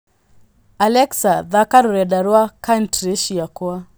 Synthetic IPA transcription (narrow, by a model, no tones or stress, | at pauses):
alɛksaðakaɾuɾɛɗaɾwakantɾeʃiakua